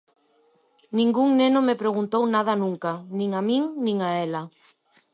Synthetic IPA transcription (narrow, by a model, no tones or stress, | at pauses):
nĩŋɡuŋnenʊmepɾeɣunt̪ownaðɐnũŋkanĩŋamiŋnĩŋaɛla